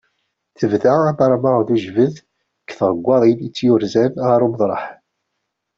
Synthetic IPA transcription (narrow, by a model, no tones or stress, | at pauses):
θəvθaæmɑɾˤɑməʁðuʒvəð | kːθʁˤəɡʷːɑðˤilət͡sːjʊɾzænʁɑɾˤuməðˤɾˤɑħ